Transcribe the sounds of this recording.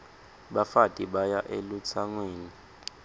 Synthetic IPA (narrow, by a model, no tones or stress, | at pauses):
ɓafatʼiɓajaʔelut͡sʰaŋweːni